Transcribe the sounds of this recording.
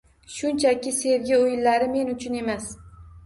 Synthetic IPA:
ʃʊnt͡ʃʰakʲɪse̞vɡʲɪojɪlːaɾɪme̞nʊt͡ʃʰʊne̞mas

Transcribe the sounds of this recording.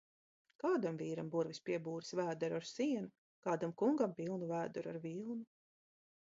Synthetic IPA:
kaːd̪amviːɾambuɾvispiɛbuːɾisvæːd̪ɛɾuaɾsiɛnu | kaːd̪amkuŋɡampiːlˠnuvæːd̪ɛɾaɾviːlˠnu

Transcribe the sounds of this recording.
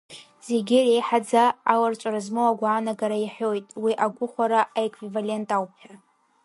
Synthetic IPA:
z̥e̞ɡʲɪrejħad͡zaːwart͡ʃʷʼaɾazmowaɡʷaːnaɡaɾajiħʲojtʼwiʔaɡʷʊχʷaɾaʔaekʰʼvivale̞ntʼawpʼ

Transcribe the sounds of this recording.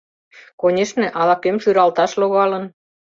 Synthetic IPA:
konʲeʃnĕʔɑlɑkemʃyɾɑlt̪ɑʃloɣɑlə̆n

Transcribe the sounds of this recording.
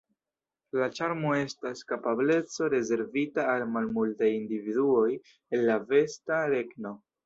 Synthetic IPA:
lat͡ʃaɾmoe̞staskapable̞t͡so̞ɾe̞ze̞ɾvitaːlmalmultajindividuo̞j | elːave̞staɾe̞ɡno̞

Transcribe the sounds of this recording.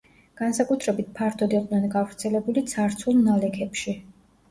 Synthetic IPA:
ɡ̥ansakʼut̪ʰɾɛbit̪̚pʰaɾt̪ʰɔd̪iqʼnɛnɡavɾt̪sʰɛlɛbulit̪sʰaɾt̪sʰulˠnalɛkʰɛpʃi

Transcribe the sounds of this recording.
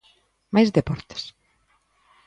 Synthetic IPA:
majzðepɔɾt̪e̥s

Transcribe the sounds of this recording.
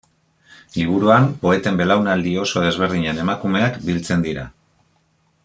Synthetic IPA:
liβ̞uɾuampo̞e̞t̪e̞mbe̞lawnald̪io̞so̞ð̞e̞zβ̞e̞ɾð̞iɲe̞ne̞makume̞akbilt͡se̞nd̪iɾa̰

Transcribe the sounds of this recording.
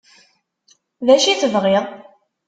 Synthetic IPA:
ðæʃiθəvʁɪðˤ

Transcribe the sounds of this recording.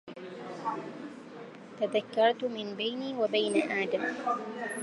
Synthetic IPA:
t̪aðakːɑɾˤt̪mɪnbajniːwabajnaʔaːd̪am

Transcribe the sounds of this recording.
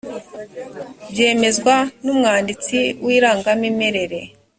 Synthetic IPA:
bje̞ːme̞zɡwanumŋaːndit͡siwiːɾaːŋɡamimeɾe̞ɾe̞

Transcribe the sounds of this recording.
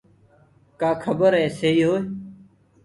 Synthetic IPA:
kaːkʰəbəɾɦɛːseːiːɦoːe

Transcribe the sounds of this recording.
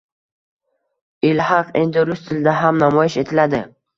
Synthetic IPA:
ɪlhɑqʰe̞nd̪ɪɾʊst̪ʰɪld̪aɦamnamɒjɪʃe̞t̪ʰɪlad̪ɪ

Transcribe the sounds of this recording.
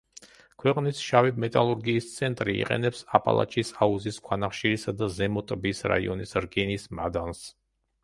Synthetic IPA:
kʰwɛqʼnisʃavimɛt̪ʼalˠuɾɡiːst̪sʰɛnt̪ʼɾiḭqʼɛ̰nɛpsapʼa̰lˠa̰t͡ʃʰisauziskʰwanaχʃiɾisad̪azɛmɔt̪ʼbisɾa̰iɔnisɾɡɛnismad̪ans

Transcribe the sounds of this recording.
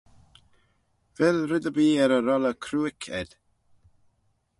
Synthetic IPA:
vɛlɾɪd̪əbiːɛɾəɾɔləkʰɾuːɪkʰɛ̰d̪̥

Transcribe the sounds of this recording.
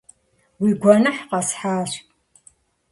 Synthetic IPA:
wiɡʷɔnɐħqɐsħaːʃ

